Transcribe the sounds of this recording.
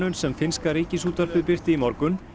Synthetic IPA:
ʏnsɛmfɪnskaɾiːcɪsuːt̪aɾ̥pɪðpɪr̥t̪ɪimɔɾkʏn

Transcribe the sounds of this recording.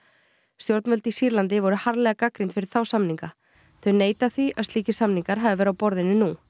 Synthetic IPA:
st̪jowɾt̪nvœlt̪isiːɾlant̪ɪvɔɾʏhaɾlɛːɣakakɾɪnt̪fɪɾɪɾ̥θawsamniŋka | θœɥneːjt̪aθviʔa̰ðst̪iːcɪsamniŋkaɾɦavɪvɛɾʏawpɔɾðɪnʏnu

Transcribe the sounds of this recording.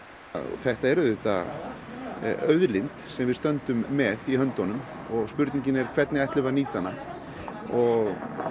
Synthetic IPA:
θɛht̪aɛɾʏðʏht̪a̰ | œɥðlɪnt̪sɛmvɪðst̪œnt̪ʏmːɛðiɦœnt̪ɔnʏm | ɔɣspʏɾt̪niɲcɪnɛɾ̥kʰvɛt̪nɪɛjht̪lɪvaniːt̪ana | ɔɣ

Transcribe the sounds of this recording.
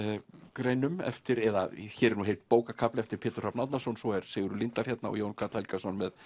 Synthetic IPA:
kɾejnʏmɛ̰ft̪ɪɾɛðaçɛːɾɛɾnuɦejlt̪̚poːwkakʰaplɪɛft̪ɪɾ̥pʰɛːt̪ʏ̥r̥apnat̪nasɔnsɔɛɾ̥seːɣʏɾʏlint̪al̥çjɛt̪naɔ̰joːwnkʰat̪alkasɔnmɛð

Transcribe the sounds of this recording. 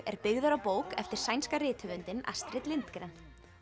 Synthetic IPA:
ɛɾpɪɣðʏɾawpoːwkɛft̪ɪɾ̥sajnskarɪːt̪ʰhʏvʏnt̪ɪna̰st̪ɾɪt̪lɪnt̪kɾɛn

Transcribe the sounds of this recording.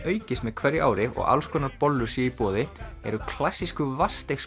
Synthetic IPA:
œːɥcɪsmɛðkʰvɛɾjʔa̰ːwɾɪɔ̰ɣa̰lskʰɔːnaɾpɔlːʏɾ̥sjɛipɔːðɪɛ̰ɾʏkʰl̥asːiskʏvast̪ejxs

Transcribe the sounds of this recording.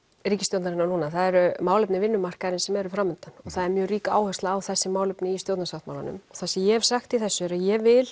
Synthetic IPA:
riːcɪst̪jowt̪naɾɪnːanuːnaθaðɛɾʏmaːwlʏpnɪvɪnːʏmar̥kaɾɪnsɛmɛɾʏfɾaːmʏnt̪anɔɣθaðɛɾmjœːɣriːkaaːwhœst̪aːwθɛsːɪmaːwlʏpnɪist̪jowt̪nasawht̪mawla̰nʏ̰mɔɣθasɛjɛv̥saxt̪iθɛsːʏɛɾaðjɛvɪl

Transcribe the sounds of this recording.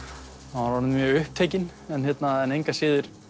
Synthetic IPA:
aɾvaɾnmjœːɣʏhp̚t̪ʰejcɪnɛnçjɛt̪naɛnejŋkasɪːðɪɾ̥

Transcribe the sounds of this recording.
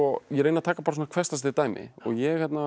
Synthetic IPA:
ɔjɛɾeːjnat̪ʰaːkapaɾs̬ːnakʰvɛst̪ast̪et̪aːjmɪ̰ɔ̰ɣjɛhɛt̪na

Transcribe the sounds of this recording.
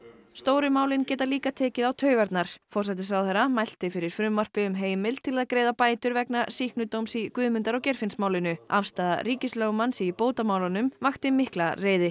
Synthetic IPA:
st̪oːwɾʏmaːwlɪncɛːt̪aliːkat̪ʰɛːcɪðawt̪ʰœːɥɣaɾt̪naɾ̥fɔr̥sɛt̪ɪsawθɛɾamajl̥t̪ɪfɪɾɪɾ̥fɾʏmːar̥pɪʏmɦeːjmɪl̥t̪ʰɪlaðkɾeːjðapaːjt̪ʏɾvɛknasihknʏt̪owmsikʏːðmʏnt̪aɾɔwcɛɾ̥fɪnsmaːwlɪnʏafst̪aːða̰ɾiːcɪslœːɣʏmansipoːwt̪amaːwlanʏmvaxt̪ɪmɪhklareːjðɪ

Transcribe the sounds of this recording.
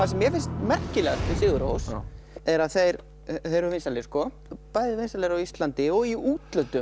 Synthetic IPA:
θasɛmjɛfɪnst̪mɛr̥cɪlɛːɣast̪ɪsɪːɣʏɾo̰ws | ɛɾaðθejɾ | θejɾʏɾvɪnst̪aleɾskɔ | paːjðɪvɪnsalɛɾawist̪lant̪ɪɔɣiuːt̪lœnt̪ʏ

